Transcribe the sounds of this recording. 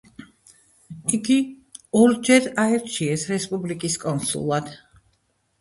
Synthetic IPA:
iɡiɔɾd͡ʒɛɾaɛɾt͡ʃʰiɛsɾɛspʼublikʼiskʼɔnsṵlˠad̪̥

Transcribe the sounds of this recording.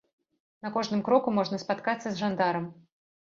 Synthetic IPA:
nɐkɔʐnɨmkɾɔkumɔʐnɐspat̪kat̪sːɐzʐand̪aɾɐm

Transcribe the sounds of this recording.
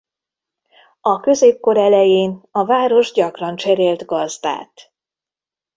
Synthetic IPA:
ɒkø̞zeːp̚ko̞ɾɛlɛjeːnɒvaːɾo̞ʒɟɒkrɒnt͡ʃɛɾeːlt̪ɡɒzd̪a̰ːt̪

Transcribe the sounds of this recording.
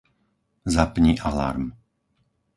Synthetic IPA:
zapɲiʔala̰ɾm

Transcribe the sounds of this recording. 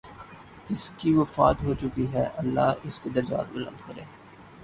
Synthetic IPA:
ɪskiʋɐfaːt̪ɦoːt͡ʃʊkiɦɛʔɐlːaːɦɪsked̪ɐɾd͡ʒa̰ːt̪bʊlə̰̃nd̪kɐɾẽː

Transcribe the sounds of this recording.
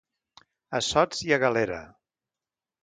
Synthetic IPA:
əsɔd͡ziəɣəleɾə̰

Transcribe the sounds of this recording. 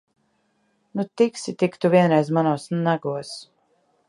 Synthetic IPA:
nut̪iksit̪ikt̪uvʲiɛnɾɛjzmanuːsnaɡuɔs

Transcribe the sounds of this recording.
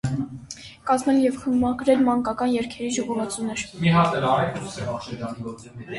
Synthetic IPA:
kɑzmɛljɛvχəmmɑɡɾɛlmɑŋkɑkɑnjɛɾkʰɛɾiʒɔʁɔvɑt͡sunəɾmiɦɑt̪ɛɾɑɾɛk̪usɛɑʃɛd͡ʒ̪ɑniɔ

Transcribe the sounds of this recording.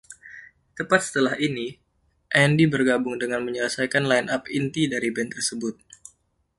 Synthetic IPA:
t̪əpat̪̚sə̥t̪əlahini | ʔɛndibərɡabʊŋdəŋanməɲələsajkanlainapint̪idaɾibɛnt̪ərsəbʊt̪̚

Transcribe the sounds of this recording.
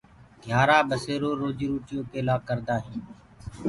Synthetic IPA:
ɡ̪ʱjaːɾaːɓəseːɾoːɾoːd͡ʒiːɾuːt͡ʃɪjoːpeːlaːkəɾd̪aːɦĩː

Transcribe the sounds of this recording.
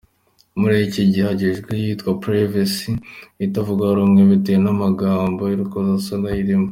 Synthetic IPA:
muɾeciɟihaɟeʒɡwejitkwapɾevasiitavuɡaɾoːŋɡeβitejenamaɡaːmbo̞iɾukozasaŋɡajiɾimo

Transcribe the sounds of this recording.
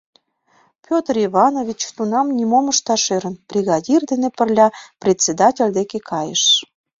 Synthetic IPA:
pʲot̪riβɑnovʲit͡ɕt̪unɑmnʲimoməʃt̪ɑʃeɾə̆nb̥rʲiɣɑdʲird̪enepərlʲɑprʲet͡sʲed̪ɑtʲelʲd̪ekekʰɑjə̰ʃ

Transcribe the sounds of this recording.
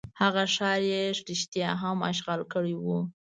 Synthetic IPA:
haɣaʂɑɾjeʂɾiʃt̪jɑɦama̰ʃɣɑlkəɽiwu

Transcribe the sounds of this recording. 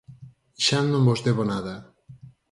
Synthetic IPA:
ʃanõmbozd̪eβonaða

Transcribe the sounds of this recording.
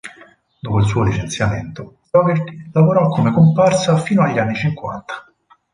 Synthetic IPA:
d̪oːpoils̬uːolit͡ʃent̪sjamḛnt̪o | ɔɡeɾt̪ilavoɾɔkʰːomekomparsafiːnoaʎːanːit͡ʃiŋkwa̰nt̪ḁ

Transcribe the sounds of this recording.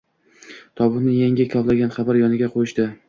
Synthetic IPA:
t̪ʰɒbʊnɪjaŋɡʲɪkʲʰɒvlaɡʲanχɑbaɾjɒnɪɡʲaqʰojɪʃd̪ɪ

